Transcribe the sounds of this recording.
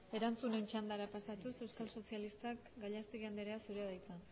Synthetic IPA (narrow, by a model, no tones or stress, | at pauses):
e̞ɾant͡sune̞nt͡ʃand̪aɾapasat̪use̞wskalso̞sialist̪akɡaʎast̪iɣand̪eɾeasuɾeðajt͡s̪a